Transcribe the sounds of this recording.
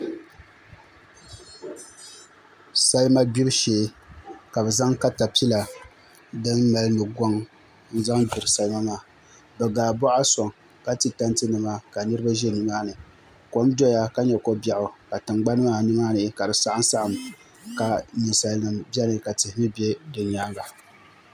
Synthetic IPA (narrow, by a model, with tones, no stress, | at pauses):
sa˦lma˦bi˦ɾʃɛ˨˦ka˨bɛ˨za˦ŋka˦ta˨pi˦la˨ | dɨ˦nːa˨lnɨ˨ɡɔ˦ŋ | n̩˦za˦ŋbi˨ɾɨ˨sa˦lma˦maː˦ | bɛ˨ɡaː˨bɔ˦ʔa˦sɔ˨ŋ | ka˦ti˨ta˦ntɨ˦nɨ˨ma˦ka˨nɨ˦ɾɨ˦ba˦ʒɛ˦˨nɨ˨maː˦nɨ˨ | ko˨˦mdɔ˦ja˦ka˦ɲɛ˨ko˦bja˨ʔʊ˨ka˨tɨ˨ŋɡ͡ba˦n˦maː˦˨nɨ˦maː˦nɨ˨˦ka˨dɨ˨sa˦ʔa˦n˦sa˦ʔa˨m | ka˨nɨ˨sa˨lnɨ˨mbɛ˦nɨ˨ka˨tɨ˨hɪ˨˦mɨ˦bɛ˦dɨ˨ɲaː˦ɡa˨